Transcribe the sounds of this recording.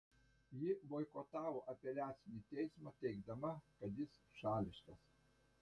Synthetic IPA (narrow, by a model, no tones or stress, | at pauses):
jɪʋoːɪkoːt̪ɑːʋoːʔɐpʲɛlʲæːt̪sʲɪnʲɪt̪ʲɛɪsmɑt̪ʲɛɪɡd̪ɐmɐkɐt̪jɪsʃɑːlʲɪʃk̪ɐs